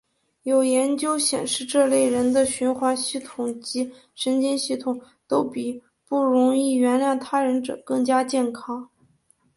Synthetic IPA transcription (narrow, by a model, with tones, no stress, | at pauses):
jo˨˩ʊjɛ˧˥nt͡ɕjo˥ʊɕjɛ̰˨˩nʂɻ̩˥˧ʈ͡ʂɤ˥˧le˥˩ɪɻə˧˥nd̪ə˧ɕy˧˥nxwa˧˥nɕi˥˩t̪ʰʊ˨˩ŋt͡ɕi˧˥ | ʂə˧˥nt͡ɕɛ˥nɕi˥˩t̪ʰʊ˨˩ŋ | t̪o˥ʊpi˨˩ | pu˥˩ɻʊ˧˥ŋi˥˩ɥɛ˧˥nljɑ˥˩ŋt̪ʰa˥ɻə˧˥nʈ͡ʂɤ̰˨˩kɤ˥˩ŋt͡ɕja˥t͡ɕjɛ˥˩nkʰɑ˥ŋ